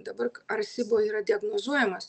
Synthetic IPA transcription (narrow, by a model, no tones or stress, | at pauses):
d̪ɐbɐɾkɐɾsʲɪbiːɾɐd̪ʲɪɐɡnozuɔjɛmɐs